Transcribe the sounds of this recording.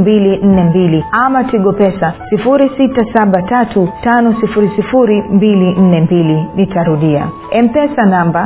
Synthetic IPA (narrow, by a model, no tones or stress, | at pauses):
mbilin̩nɛmbiliamatiɠɔpɛsasifuɾisitasaɓatatʰutanɔsifuɾisifuɾimbilin̩nɛmbilinitʰaɾuɗia̰ | ɛm̩pɛsanamba